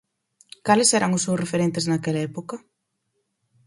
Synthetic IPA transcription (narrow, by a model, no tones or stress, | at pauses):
kalɪsɛɾʔɐŋʊssewrefeɾent̪eznakelaɛpokɐ